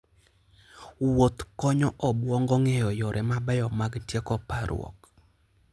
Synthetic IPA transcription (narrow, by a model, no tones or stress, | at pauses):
wot̪kɔɲɔʔɔbwɔŋɡɔŋɛjɔjɔɾʔɛmabɛjɔmaɡtjekɔpaɾʊ̰ɔ̰k